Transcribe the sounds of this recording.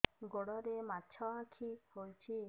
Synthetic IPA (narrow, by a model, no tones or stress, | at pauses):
ɡoɽɔɾematːt͡ʃʰɔãkʰiholt͡ʃʰi